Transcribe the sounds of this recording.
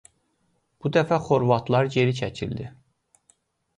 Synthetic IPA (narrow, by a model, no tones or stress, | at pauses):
b̥ud̪æfæχo̞ɾvɑt̪ʰlˠɑɾɟe̞ɾit͡ʃʰæcʰḭld̪i